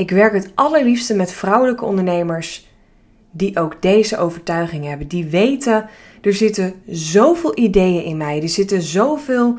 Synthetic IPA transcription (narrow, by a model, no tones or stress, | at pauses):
ɪkʋɛɹkətʔɑləɹlifstəmɛtfrʌwələkəɔ̰̃ndəɹnejməɹs | diʔowɡdejzəʔowvəɹtœɥχɪŋɦɛbəndiʋejtə | d̥əɹzɪtəzowvɪːlˠʔidejənʔɪnmɛjdəɹz̥ɪtənzowvɪːlˠ